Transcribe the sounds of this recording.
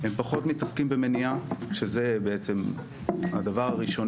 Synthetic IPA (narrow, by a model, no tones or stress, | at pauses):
empaχo̞t̪mitaskimbeme̞niaʃezebeet͡se̞m | ha̰d̪avaʁaʁiʃo̞n